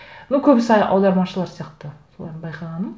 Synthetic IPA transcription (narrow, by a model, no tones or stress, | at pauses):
nowkʲʰɵbɪsɑjʔɑ̰wd̪ɑɾmɑʃəlˠɑɾsijɑqt̪əsolˠɑ̰ɾd̪nbɑjqɑʁɑnəm